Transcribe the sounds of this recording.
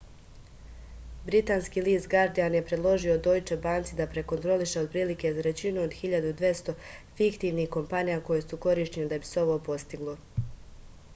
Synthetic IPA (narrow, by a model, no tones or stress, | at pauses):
bɾit̪aːnskiːliːst̪ɡaɾd̪ijanje̞pɾe̞d̪lˠo̞ʒiod̪o̞ːjt͡ʃebaːnt̪sid̪apɾe̞ko̞nt̪ɾo̞liʃe̞o̞d̪̚pɾiːlike̞zaɾe̞t͡ɕinuod̪xiʎad̪ud̪ʋje̞st̪o̞fikt̪iːʋnixko̞mpanijako̞jesuko̞ɾiːʃɲened̪abi̥seo̞ʋo̞ːpo̞st̪iɡlˠo